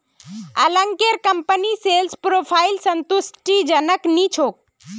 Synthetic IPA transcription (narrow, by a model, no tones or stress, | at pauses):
ə̰ləŋkeɾkəmpəniselspɾoːpʰaːɪlsənt̪ʊsʈid͡ʒənəknit͡ʃʰoːk̚